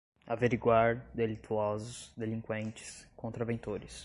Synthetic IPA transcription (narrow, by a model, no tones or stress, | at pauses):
aveɾiɡwaɾd̪elit̪uɔzʊsd̪elĩŋkwẽnt͡ʃɪ̥skõnt̪ɾɐvẽnt̪oɾɪs